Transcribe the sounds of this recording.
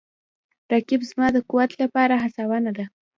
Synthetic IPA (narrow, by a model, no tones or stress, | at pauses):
ɾakɪbzmɑd̪əkuwat̪lapɑɾaɦasawanad̪a